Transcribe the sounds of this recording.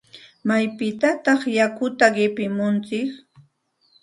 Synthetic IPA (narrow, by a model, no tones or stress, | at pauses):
majpɪt̪at̪ɑχjakʊt̪aɢɪpɪmʊnt͡sɪk